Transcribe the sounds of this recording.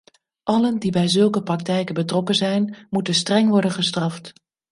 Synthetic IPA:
ʔɑləndibɛjzɵlˠkəprɑk̚tɛjkəbətrɔkənzɛjnmutənstrɛŋʋɔɹdənχəstrɑft

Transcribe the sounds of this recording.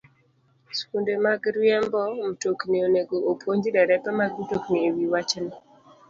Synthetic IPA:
skundemaɡɾwjɛmbɔm̩toknioneɡoopwoɲd͡ʒdɛɾɛpɛmaɡmtokniewiwat͡ʃnɔ

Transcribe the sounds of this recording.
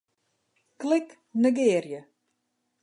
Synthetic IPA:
klɪk | nəɡɪːrjə

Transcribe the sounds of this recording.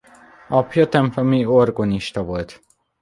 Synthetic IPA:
ɒpʰjɒt̪ɛmplɒmiorɡoniʃt̪ɒvo̞lt̪

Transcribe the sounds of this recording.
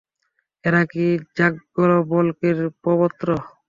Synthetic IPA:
eɾakid͡ʑaɡɡɔlɔbɔlkeɾpɔbɔt̪ːɾɔ

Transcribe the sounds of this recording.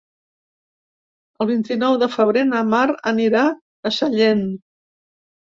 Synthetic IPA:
əlˠβint̪inɔwðəfəβ̞ɾenəmaɾəniɾa | əʃəʎen

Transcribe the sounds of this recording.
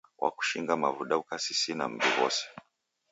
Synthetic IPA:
wʔa̰ku̥ʃiŋɡamavuɗaukasisina̰m̩biwɔ̰sɛ̥

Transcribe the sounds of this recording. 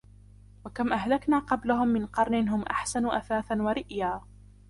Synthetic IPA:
wakamʔaɦlaknaːqɑblahʊmːɪnqɑɾˤnɪnɦʊmʔa̰ħsanʊʔaθaːθanwaɾɪʔjaː

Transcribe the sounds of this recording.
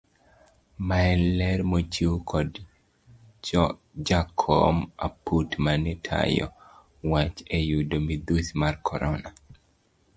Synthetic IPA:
maɛlɛɾmot͡ʃukʰɔd | t͡ʃɔ | d͡ʒakʰɔ̰maputmanitʰa̰jɔ̰ | wat͡ʃejudomid̪usmarkʰɔɾɔna

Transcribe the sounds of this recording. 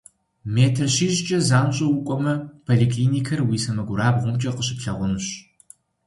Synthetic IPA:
meːtʰɐrɕiːɕt͡ʃʼɐzaːmɕʼɐwʊkʷʼɔmɐpʰoɮikʰliːniːkʰɐrwiːsɐmɐɡʷʊɾaːbʁʷʊmt͡ʃʼɐqəɕɪpɬɐʁʷʊnuɕ

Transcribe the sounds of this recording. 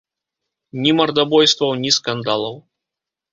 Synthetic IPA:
nʲimɐrd̪abɔjst̪vɐwnʲiskand̪alˠɐw

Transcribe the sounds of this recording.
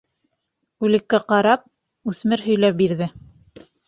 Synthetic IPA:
ʉlɘ̆kːæqɑɾɑp̚ | ʉθmɘɾɦɵ̆jlæp̚biɾðɘ

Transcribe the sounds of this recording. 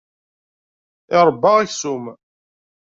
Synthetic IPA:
ɪɾˤəbːɑʁiçsum

